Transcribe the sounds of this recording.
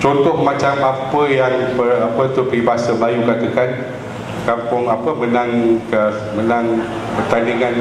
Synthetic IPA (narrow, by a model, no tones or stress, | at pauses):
t͡ʃɔnt̪ɔhmãt͡ʃamapəjaŋpərapət̪ukəibasəblajukat̪əkan | kampʊŋapəmə̃naŋkə | mə̃nãŋ | pərt̪andiŋãn